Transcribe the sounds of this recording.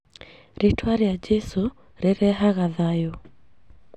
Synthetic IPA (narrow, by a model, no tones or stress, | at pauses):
ɾitʰwaɾiad͡ʒɛsu | ɾeɾɛɦaɣaðajɔ